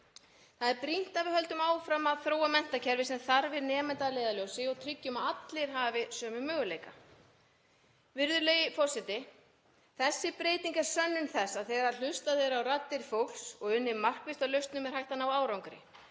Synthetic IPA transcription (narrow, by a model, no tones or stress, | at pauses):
θaðɛɾpɾin̥t̪avɪɦœl̪t̪ʏmaːwfɾamaðθɾoːwamɛn̥t̪acʰɛɾvɪsɛmθaɾvɪnɛːmɛnt̪aleːjðaljowsɪɔɣt̪ʰɾʏcːʏmaat̪lɪɾ̥ɦaːvɪsœːmʏmœːɣʏleːjka | vɪɾðʏɾlejɪfɔsɛt̪ɪ | θɛsːɪpɾeːjt̪iŋkḁsœnːʏnθɛsːaðθeɣaɾl̥ʏst̪aðɪɾawrat̪ːɪɾ̥fowlsɔɣʏnːɪmar̥kvɪst̪alœɥst̪nʏmɛɾhajht̪anawaːwɾawŋkʏɾɪ̰